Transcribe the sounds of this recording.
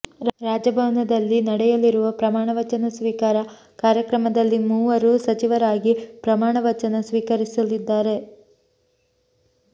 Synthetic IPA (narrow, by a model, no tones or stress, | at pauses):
ɾaːd͡ʒɐbʱɐʋnɐd̪ɐlːinɐɽɛjɐliɾuʋɐpɾɐmaːɳɐʋɐt͡ʃɐnɐsʋiːkaːɾɐ | kaːɾjɐkɾɐmɐd̪ɐlːimuːʋɐɾusɐt͡ʃiʋɐɾaːɡipɾɐmaːɳɐʋɐt͡ʃɐnɐsʋiːkɐɾisɐlid̪ːaːɾe̞